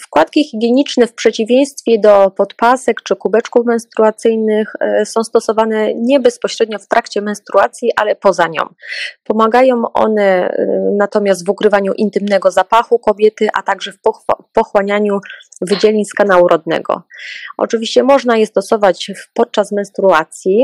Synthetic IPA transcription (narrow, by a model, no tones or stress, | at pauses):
fkwat̪kʲixʲiɡʲjeɲit͡ʂnɛfpʂɛt͡ɕivʲjẽj̃st̪fʲjɛd̪ɔpɔt̪pasɛkt͡ʂɘkubɛt͡ʂkufmɛnst̪ɾuat̪sɘjnɘxsɔ̃w̃st̪ɔsɔvanɛɲɛbɛspɔɕɾɛd̪ɲɔft̪ɾakt͡ɕɛmɛnst̪ɾuat̪sʲjiʔa̰lɛpɔzaɲɔ̰̃mpɔmaɡajɔ̃w̃ʔɔ̰nɛnat̪ɔmʲjas̬t̪vukɾɘvaɲuʔint̪ɘmnɛɡɔzapaxukɔbʲjɛt̪ɘʔa̰t̪aɡʐɛfpɔxwaɲaɲuvɘd͡ʑɛlʲiɲskanawuɾʔɔd̪̚nɛ̰ɡɔ̰ʔɔ̰t͡ʂɘvʲiɕt͡ɕɛmɔʐnajɛst̪ɔsɔvat͡ɕpɔt̪̚t͡ʂasmɛnst̪ɾuat̪sʲji